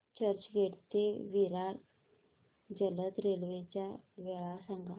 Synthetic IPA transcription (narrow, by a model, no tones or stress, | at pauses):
t͡ɕəɾt͡ɕɡʱeʈt̪eʋiɾaɾ | d͡ʑələt̪ɾelʋet͡ɕjaʋɛɭasaŋɡa